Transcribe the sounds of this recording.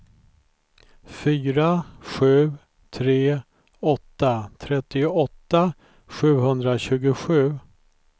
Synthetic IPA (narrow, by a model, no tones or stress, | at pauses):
fyːɾaɧʉ̟ː | t̪ʰɾeː | ɔt̪ːat̪ʰɾɛt̪ːɪʊʔɔt̪ːa | ɧʉ̟ːɦɵnd̪ɾaɕʉ̟ːɡʊɧʉ̟ː